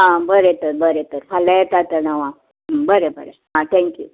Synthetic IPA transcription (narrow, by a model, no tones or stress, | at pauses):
ɦãbəɾet̪əɾbəɾet̪əɾfʰaləjet̪at̪ənəʋã | bəɾebəɾeɦãt̪ʰɛ̃ŋkjṵ